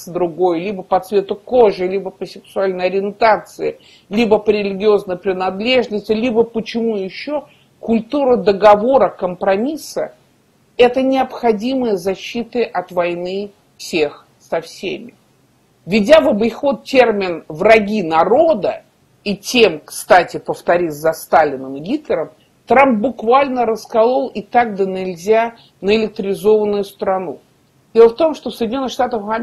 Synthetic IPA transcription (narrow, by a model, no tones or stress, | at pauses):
d̪ɾʊɡojlʲibəpɐt̪svʲe̞t̪ʊko̞ʐɨlʲibəpəsʲɪksʊalʲnəjɐɾʲɪɪnt̪at̪sɨɪ | lʲibəpəɾʲɪlʲɪɡʲɪo̞znəjpɾʲɪnɐd̪lʲe̞ʐnəsʲtʲɪlʲibəpət͡ɕɪmujɪɕːo | kʊlʲt̪uɾəd̪əɡɐvo̞ɾəkəmpɾɐmʲisə̰ | ɛt̪ənʲɪɐpxɐdʲiməjəzɐɕːit̪ɨʔɐt̪vɐjnɨ | fsʲex | sɐfsʲḛmʲɪ | vʲɪdʲavəbəɪxo̞t̪̚tʲe̞rmʲɪnvrɐɡʲinɐɾo̞d̪ə | itʲe̞mkst̪atʲɪpəft̪ɐɾʲizɐst̪alʲɪnəmɨɡʲit̪lʲɪɾəm | t̪ɾamp̚bʊkvalʲnəɾəskɐlˠolˠɪt̪aɡ̚d̪ənʲɪlʲzʲa | nəɪlʲɪk̚t̪ɾʲɪzo̞vənːʊjʊst̪ɾɐnu | d̥ʲelˠəft̪o̞mʂt̪ofsəjdʲɪnʲo̞nːɨxʂt̪at̪əfɐ